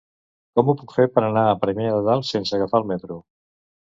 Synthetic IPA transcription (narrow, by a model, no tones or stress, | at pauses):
kɔmupukfeɾpəɾənaəpɾəmeðəðalˠsensəɣafaəlˠmɛt̪ɾu